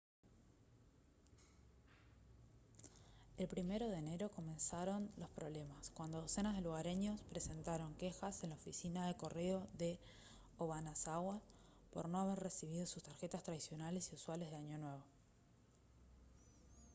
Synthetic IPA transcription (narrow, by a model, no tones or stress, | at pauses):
elpɾime̞ɾo̞ðeːne̞ɾo̞ko̞mẽ̞nsaɾo̞nlo̞spɾoβle̞maskwand̪oðose̞nazð̞e̞luɣaɾe̞ɲo̞spɾe̞se̞nt̪aɾo̞ŋke̞xase̞nlaofisinaðe̞ko̞re̞o̞ðe̞ | oβanasaɣwas | po̞̰ɾno̞aβ̞erre̞siβ̞ið̞o̞sust̪aɾxe̞t̪ast̪ɾaðisjo̞nale̞siuswale̞zðeaɲo̞nwe̞β̞o̞